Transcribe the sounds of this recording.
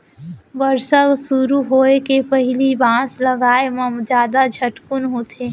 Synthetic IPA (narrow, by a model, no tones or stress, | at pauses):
bəɾsəksuɾuɦoːekepəɦɪlibãːsləɡaːeməmd͡ʒjaːd̪ad͡ʒʱəʈkunɦoːt̪ʰe